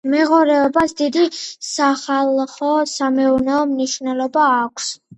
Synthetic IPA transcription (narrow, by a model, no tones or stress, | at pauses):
mɛʁɔɾɛɔbasd̪id̪isaχalˠχɔsamɛuɾnɛɔmniʃvnɛlˠɔbaːkʷʰs